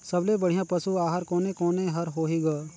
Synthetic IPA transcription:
sɐblebɐɽ̤ijãpɐsuaːɦəɾkoːnekoːnẽɦɐɾɦoːɦiɡaː

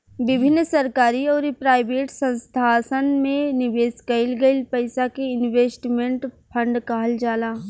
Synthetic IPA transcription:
ʋɪbʱɪnːsɐɾkaːɾiɔːɾipɾaːɪʋeːʈsə̃nst̪ʰaːsənmẽnɪʋeːskɐɪlɡɐɪlpɐɪsakeɪnʋeːsʈmẽɳʈpʰɐ̃ɳɖkaːɦəld͡ʒaːlaː

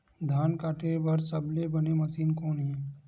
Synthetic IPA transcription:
d̪ʱaːnkaːʈʰebɐɾsəblebɐnemɐsiːnkõːnɦĩ

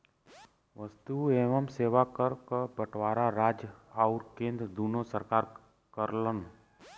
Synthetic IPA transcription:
ʋəst̪ueːʋəmseːʋakəɾkbəʈʋaːɾaɾaːd͡ʒaʊɾkẽːnd̪ɾəd̪uːnosəɾkaːɾ | kəɾlən

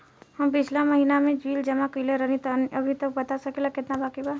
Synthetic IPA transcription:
həmpɪt͡ʃʰlaməɦiːnamẽd͡ʒwiːld͡ʒɐmãkuileɾəɦnit̪ɔniʔɐbʱit̪ək̚bɐt̪asɐkelakɪt̪nabakiba

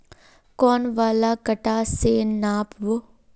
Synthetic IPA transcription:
kɔːnʋaːlakɐʈaːseːnnaːpʋo

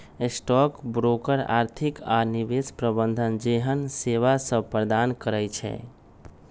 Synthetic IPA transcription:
sʈɔkbɾokəɾa̰ɾt̪ʰikanibespɾəbənd̪ʱənd͡ʒeɦənseʋasə̃pɾd̪ankəɾɛjt͡ʃʰɛ̰

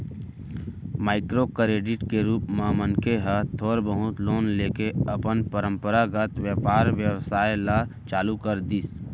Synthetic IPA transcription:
maːɪkɾokɾeːɖɪʈkeɾuːpmãːmənkeɦət̪ʰoːɾbəɦʊt̪loːnleːkeəpənpəɾə̃mpəɾaɡət̪ʋjəpaːɾʋjəʋsaːelat͡ʃaːlukəɾd̪is

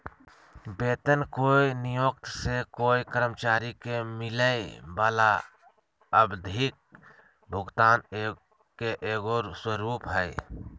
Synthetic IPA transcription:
beːt̪ənkoːinɪjoːk̚t̪sekoːikəɾəmt͡ʃaːɾikemɪləebaːla | əbd̪ʱɪk̚ | bʱʊɡt̪aːne | keʔeːɡoːɾswəɾuːpɦɛe

